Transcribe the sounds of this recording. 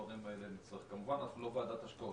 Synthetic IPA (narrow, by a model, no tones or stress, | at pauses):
nimaelenit͡sʁiχkamuvanaχnulovad̪at̪aʃko